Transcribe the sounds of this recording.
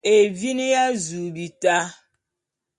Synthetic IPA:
e˨vi˦ni˦ja˦zu˨bi˨ta˦

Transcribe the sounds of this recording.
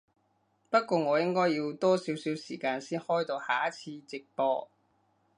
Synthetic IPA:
pɐ˥t̚kʷɔː˧ŋɔː˨˧jɪ˥ŋkɔː˥jːi˧wt̪ɔː˥siː˨˥wsiː˨˥wsiː˨˩kaː˧nsiː˥nhɔː˥jt̪o˧wha̰ː˨˥t͡sʰiː˧t͡sɪ˨k̚pɔː˧

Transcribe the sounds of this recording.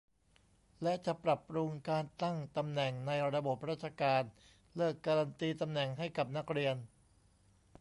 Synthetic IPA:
lɛ˦˥ʔt͡ɕa˨˩pɾa˨˩p̚ɾu˧ŋkaː˧nt̪a˥˩ŋt̪a˧mnɛ˨˩ŋna˧jɾa˧bo˨˩p̚ɾaː˥˩t̪̚t͡ɕʰa˧kaː˧n | lɤː˥˩kːaː˧ɾa˧nt̪iː˧t̪a˧mnɛ˨˩ŋɦa˥˩jka˨˩p̚na˦˥k̚ɾi˧ən

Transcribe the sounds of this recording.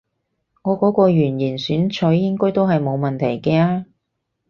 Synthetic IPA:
ŋɔː˨˧kɔː˨˥kɔː˧ɥyː˨˩njiː˨˩nsyː˨˥nt͡ʃʰɵ˨˥jːɪ˥ŋkɔː˥ɥt̪o˥wɦɐ˨jmo˨˧wmɐ˨nt̪ʰɐ˨˩jkɛː˧aː˧

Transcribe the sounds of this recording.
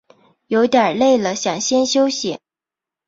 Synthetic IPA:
jo˧˥ʊt̪jə˨˩le˥˩ɪlə˩ɕjɑ˨˩ŋɕjɛ˥nɕjo˥ʊɕjɛ̰˨˩˦

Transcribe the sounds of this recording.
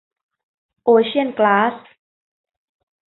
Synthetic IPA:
ʔoː˧t͡ɕʰi˥ə˨nklaː˦˥s

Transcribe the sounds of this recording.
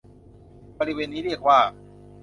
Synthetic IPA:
bɔ˧ɾi˦˥weː˧nːiː˦˥ɾi˥˩ək̚waː˥˩

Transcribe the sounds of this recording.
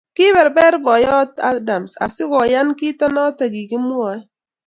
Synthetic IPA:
kɪ˦bɛ˨ɾbɛ˦ɾbɔ˨jɔ˦ta˦da˨msa̰˨sɪ˦kɔ˨ja˦nki˦ta˦nɔ˦ta˨ɡi˨kɪ˦mʊ˦a˦

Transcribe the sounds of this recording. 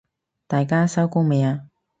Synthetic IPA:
t̪aː˨jkaː˥sɐ˥wkuː˥me˨˧jaː˧

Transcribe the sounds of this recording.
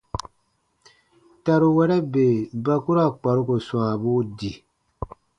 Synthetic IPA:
ta˨ɾu˨wɛ˦ɾɛ˦be˨ba˨ku˦ɾa˦˨k͡pa˨ɾu˦ko˨sw̃aː˨bu˦di˨

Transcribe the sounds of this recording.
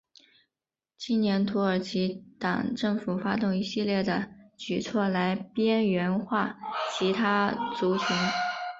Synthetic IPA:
t͡ɕʰi˥njɛ˧˥nt̪ʰu˧˥ə˞˨˩t͡ɕʰi˧˥t̪ɑ̰˨˩ŋʈ͡ʂɤ˥˩ŋfu˨˩fa˥t̪ʊ˥˩ŋi˧˥ɕi˥˧ljɛ˥˩d̪ə˩t͡ɕy˨˩t͡sʰwɔ˥˩la˧˥ɪpjɛ˥nɥɛ˧˥nxwa˥˩t͡ɕʰi˧˥t̪ʰa˥t͡su˧˥t͡ɕʰy˧˥n

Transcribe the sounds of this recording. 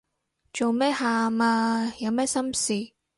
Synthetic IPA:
t͡ʃo˨wmɛː˥haː˨maː˧jɐ˨˧wmɛː˥sɐ˥msiː˨

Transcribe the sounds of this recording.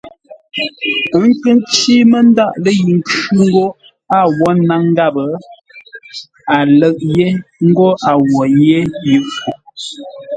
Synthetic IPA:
ə˨˦ŋ̩˦kə˦nt͡ʃi˦mə˦n˦da˦˨ʔlə˦ji˨ŋ˦kʉ˦ŋ̩˦ɡo˦ | a˦˨wɔ˨˦na˦ŋ˦ɡa˦˨bə˨ | a˨lə˦˨ʔ̚je˦ŋ̩˦ɡo˦ʔa˨wɔ˨je˦ji˨ʔfo˨

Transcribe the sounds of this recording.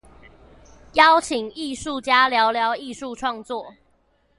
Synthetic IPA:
jɑ˦ʊt͡ɕʰi˨˩˦ŋi˥˧ʂu˥˨t͡ɕja˦ljɑ˨˦ʊljɑ˨˦ʊi˥˧ʂu˥˨ʈ͡ʂʰwɑ˥˧ŋt͡swɔ˥˨

